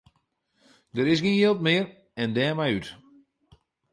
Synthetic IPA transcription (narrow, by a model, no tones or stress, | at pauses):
dəɾɪsɡɪnjɪlˠt̚mɪər | ɛndɛːmɛjyt